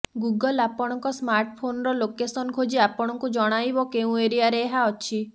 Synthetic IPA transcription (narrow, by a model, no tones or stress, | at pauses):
ɡuɡɔlapɔɽ̃ɔŋkɔsmaɾʈpʰonɔɾɔlokesɔnkʰod͡ʒiapɔɽ̃ɔŋkud͡ʒɔɽ̃ajbɔkeũeɾiaɾeːɦaɔt͡ʃʰi